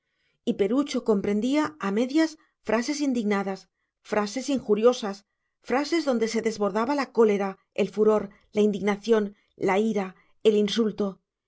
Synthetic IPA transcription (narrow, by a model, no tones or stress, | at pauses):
ipe̞ɾut͡ʃo̞ko̞mpɾe̞nd̪iaːme̞ðjas | fɾʔase̞sind̪iɣnaðas | fɾʔase̞siŋxuɾjo̞sas | fɾase̞zðo̞nd̪e̞se̞ðe̞zβo̞ɾðaβalako̞le̞ɾa | e̞lfuɾo̞ɾ | laind̪iɣnaθjo̞n | laiɾa | e̞linsult̪o̞